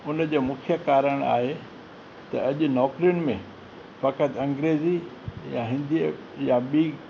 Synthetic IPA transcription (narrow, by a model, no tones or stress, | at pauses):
ʊnd͡ʑoːmʊkʰjəkaːɾəɽ̃a̰ːɦe | t̪ɐɐʄʊ̆nɔːkɾijʊñɪ̆mẽ | fɐkət̪ʰɐ̃ŋɡɾeːzijaɦɪ̃nd̪i | jãɓiː